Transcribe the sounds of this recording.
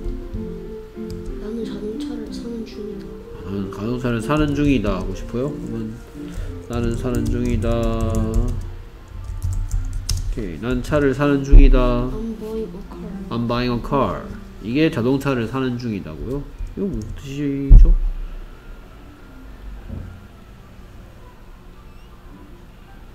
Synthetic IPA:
t͡ɕʰaɾɯanɯnuŋida | naɯnkajoŋt͡ɕʰaɾɯɭsʰanɯnd͡ʑuŋidahaɡoɕʰi̥pʰojokɯmʌnː | anɯnsʰanɯnd͡ʑuŋida | kʰenant͡ɕʰaɾɯɭsʰanɯnd͡ʑuŋida | ambaiŋʌkʰaɭ | iɡe̞t͡ɕʌdoŋt͡ɕʰaɾɯɭsʰanɯnd͡ʑuŋida̰ɡojoiɡʌmot͈ʰɯɕʰid͡ʑo

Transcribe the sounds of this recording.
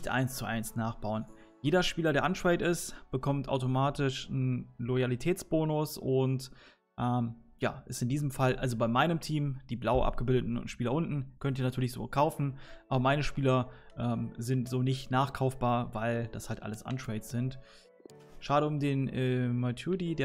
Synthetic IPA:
nɪçtʔa̰ɪnst͡suʔa̰ɪnsnaːχb̥aʊən | jeːdɐʃpiːlɐdɾeːɐʔantɹɛɪtɪstb̥əkʰɔmtʔa̰ʊtomaːtɪʃn̩lɔjalitʰɛːt͡sb̥oːnʊsʊnt | ʔɛːm | ja̰ːʔɪstɪndiːzəmfalʔa̰lzobaɪmaɪnəmtʰiːmd̥iːblaʊʔa̰p̚ɡ̥əbɪldətn̩ʊ̰ntʃpiːlɐʔʊntn̩kʰœntiːnatʰyːɐlɪçz̥o̰kʰaʊfn̩ʔaːbɐmaɪnəʃpiːlɐʔɛːmzɪntz̥oːnɪçtnaːχkʰaʊfb̥aːɐvaɪld̥ashaltʔa̰ləsʔa̰ntɹ̥ɛɪtsz̥ɪnt | ʃaːɾəʊmdeːnʔɛːmatʰudideːɐ

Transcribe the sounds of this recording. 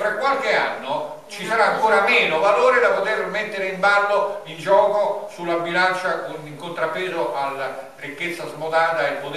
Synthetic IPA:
fɾakːwalk̟ea̰nːo | t͡ʃisaɾaːŋkoːɾameːnovaloːɾed̪apot̪ermet̪ːeɾeimbalːoind͡ʒɔːkosulːabilant͡ʃakoniŋkont̪ɾapːeːzoʔalːarikːet̪sːazmod̪aːt̪aelpot̪

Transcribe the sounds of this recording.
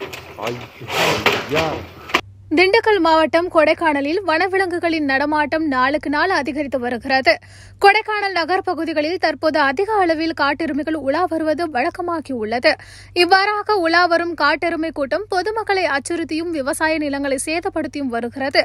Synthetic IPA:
ɐ̰jɐɐjaː | d̪ɪɳɖɯkːɐɭmaːʋɐʈːɐmkɔɽɐɪkːaːɳɐlɪlʋɐɳɐʋɪɭɐŋɡɯɣɐɭɪnnɐɽɐmaːʈːɐmnaːɭɯkːɯnaːlɐðɪɣɐɾɪt̪ːɯʋɐɾɯɣɪrɐðɯ | kɔɽɐɪkːaːɳɐlnɐɣɐɾpɐɣɯðɪɣɐɭɪlt̪ɐɾpoːðɯɐðɪɣɐːɭɐʋɪlkaːʈːɛɾɯmɪɣɐɭʊɭaːʋɐɾɯʋɐðɯʋɛɻɐkːɐmaːɣiʊɭːɐðɯ | ɪʋːaːɾaːɣɐʊɭaːʋɐɾɯmkaːʈːɪɾɯmɐɪkːuːʈːɐmpɔðɯmɐkːɐɭɐɪɐt͡ʃːɯɾɯt̪ːɪjɯmʋɪʋɐsaːjɐnɪlɐŋɡɐɭɐɪseːðɐpːɐɽɯt̪ːɪjɯmʋɐɾɯɣɪrɐðɯ

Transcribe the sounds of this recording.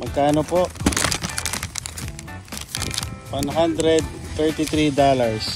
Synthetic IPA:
mɐɡ̚kaːnopoʔ | wanɦand̪ɾɛd̪̚t̪ɛɹt̪ɪt̪ɾiːd̪aːlaɹs

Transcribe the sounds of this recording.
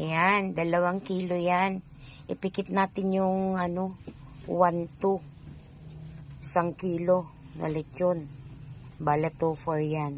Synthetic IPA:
jand̪ɐlɐwaŋkiːlojan | ʔɪpɪkɪt̪̚naːt̪ɪnjʊŋɐnowant̪o | saŋkiːlonɐ̰lɛt͡ʃon | balɛt̪oːfoɹjan

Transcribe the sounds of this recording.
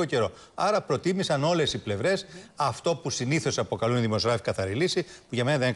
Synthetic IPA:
oce̞ɾo̞ | ɐɾɐpɾo̞t̪imisɐno̞le̞siple̞vɾe̞sɐft̪o̞pusiniθo̞sɐpo̞kɐluniðimo̞zɣɾɐfikɐθɐɾilisipuʝɐme̞nɐðene

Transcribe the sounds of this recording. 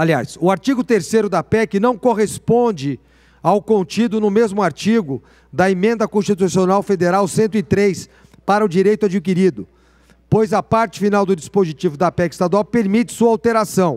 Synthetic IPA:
alia̰sʊaɾt͡ʃiɡʊt̪eɾsejɾʊd̪ɐpɛkɪnɐ̃w̃koɦespõnd͡ʒɪ | awkõnt͡ʃid̪ʊnʊmezmʊaɾt͡ʃiɡʊ | d̪ɐemẽnd̪ɐkõst͡ʃit̪usionawfed̪eɾawsẽnt̪ʊɪt̪ɾejs | paɾɐʊd͡ʒiɾejt̪ʊad͡ʒik̬iɾid̪ʊ | pojzɐpaɾt͡ʃɪ̥finawd̪ʊd͡ʒispozit͡ʃivʊd̪ɐpɛkɪi̥st̪ad̪uawpeɾmit͡ʃɪ̥suɐawt̪eɾasɐ̃w̃

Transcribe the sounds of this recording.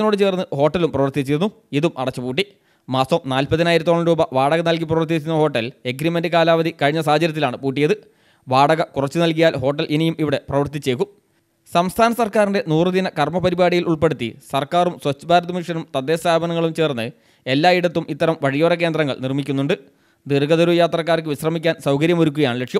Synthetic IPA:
no̞ːɽɨt͡ɕe̞ːrnːɨho̞ːʈːɐlumprɐʋɐrt̪it͡ɕːiɾunːu | iðumʔɐ̰ɽɐt͡ɕːɨpuːʈ̬ːi | maːsɐmnaːlpɐðinaːjɾɐt̪ːoːɳːɐɾuːbɐʋaːɽɐɣɐnɐlk̬iprɐʋɐrt̪̬it͡ɕːunːɐho̞ːʈːɐle̞ɡɾimendɨkaːlaːʋɐðikɐɻiɲːɐs̬aːɐd͡ʑɐɾɐt̪̬ːilaːɳɨpuːʈːijɐðɨ | ʋaːɽɐɣɐkurɐt͡ɕːɨnɐlk̬ijaːlɦo̞ːʈːɐlʔenijumʔiʋiɽe̞prɐʋɐrt̪it͡ɕːe̞ːkːum | sɐmst̪ʰaːnɐsɐrkaːɾinde̞nuːrɨðinɐkɐrmɐpɐɾibaːɽijiluɭpe̞ɽut̪ːḭsɐrkaːrumswɐt͡ɕːɐbʱaːɾɐðɐmiʂɐnumt̪ɐd̪ːe̞ːst̪ʰaːbɐnɐŋːɐɭumt͡ɕe̞ːrnːɨ | e̞lːaːiɽɐt̪ːumʔit̪ːɐɾɐmʋɐɻijoːrɐk̬end̪rɐŋːɐ̰ɭnirmikʲːunːuɳɖɨ | d̪irɡɐðɐɾujaːt̪rɐkːaːrk̬ːɨʋiɕrɐmikʲːaːnsɐwkɐɾjɐmoɾukʲːuɣɐjaːɳɨlekʂjɐm

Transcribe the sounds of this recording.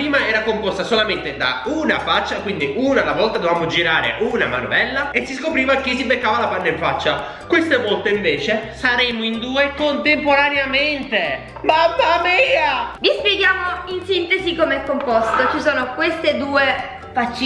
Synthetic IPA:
ɾiːmaɛːɾakompɔst̪asolament̪ed̪a̰una̰fat͡ʃːakwind̪iʔunalːavɔlt̪ad̪ovaːmod͡ʒiɾaːɾḛʔuna̰ma̰nṵvɛlːaesːiskopɾiːvak̟is̬ibekːaːvalapanːaiɱfat͡ʃːa | kwest̪emɔlt̪eiɱveːt͡ʃesaɾeːmoind̪uːekont̪empoɾaneament̪e | mabamɛavispjeɡjaːmoinsint̪ezikomeɛkːompɔst̪ot͡ʃisoːnokwest̪ed̪uːe | fat͡ʃːi

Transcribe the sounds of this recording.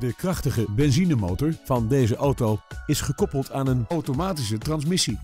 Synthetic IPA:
dəkrɑχtəχəbɛnzinəmowtɔɹv̥ɑndejzəʔowtowɪsχəkɔpəlˠtʰaːnənowtomaːtis̬ətrɑnsmɪsi

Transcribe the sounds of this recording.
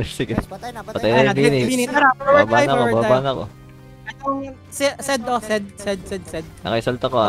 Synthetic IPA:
sɪɡɛpɐt̪ɐjnbinɪinɐɾabaːbanɐkobaːbanɐko̰ | ɛt̪oŋ | sɛsɛd̪osɛd̪̚sɛd̪̚sɛd̪̚sɛd̪̚nɐ̰kɐʔɪsɐlt̪ɐkoa

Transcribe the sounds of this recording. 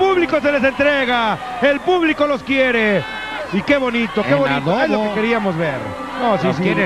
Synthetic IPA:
puβlikoseles̬ent̪ɾeɣa | elpuβlikoloskjeɾe | ikeβo̞nit̪okeβoninoezlokekeɾiamozβeɾ | nosiskjeɾe

